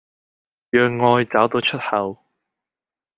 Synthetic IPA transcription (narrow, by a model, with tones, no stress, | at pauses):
jœː˨˧ŋːɔː˧jt͡saː˨˥wt̪o˨˧wt͡ʃʰɵ˥t̚hɐ˨˧w